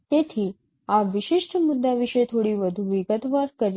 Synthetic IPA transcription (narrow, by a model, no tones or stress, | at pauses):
t̪et̪ʰiː | aʋiɕiʂʈəmud̪ːaʋiʂəjt̪ʰoɽiːʋəd̪ʱuʋiɡət̪ʋaɾkəɾ